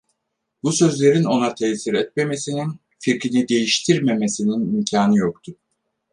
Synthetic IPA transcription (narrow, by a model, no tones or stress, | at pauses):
busø̞zlʲe̞ɾino̞nat̪ʰɛsiɾɛt̪̚me̞me̞sinin | fiɾkinid̪e̞jiʃt̪ʰiɾme̞me̞sininimcʰaːnɯjok̚t̪ʰʊ